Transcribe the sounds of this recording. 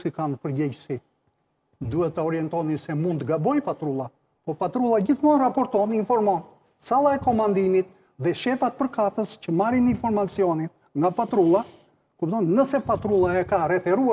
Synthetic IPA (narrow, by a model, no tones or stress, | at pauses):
sikanpəɾɟɛɟəsi | d̪uɛt̪ːəɔɾiɛnt̪ɔnisɛmund̪ɡabɔjpat̪ɾulˠa | pɔpat̪ɾulˠad͡ʑiθmɔrapɔɾt̪ɔninfɔɾmɔn | salˠaɛkɔmand̪imit̪ | ðɛʃɛfat̪̚pəɾkat̪əscəmaɾininfɔɾmat͡siɔnin | ŋɡapat̪ɾulˠa | kupd̪ɔnnəsɛpat̪ɾulˠaɛkaɾɛfɛɾua